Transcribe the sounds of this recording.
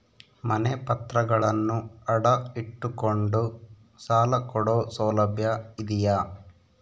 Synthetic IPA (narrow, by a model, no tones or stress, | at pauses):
mɐnepɐt̪ɾɐɡɐɭɐnːuɐɽɐiʈːukoɳɖu | saːlɐkɔɽoːsɐːlɐbʱjɐid̪ijɐ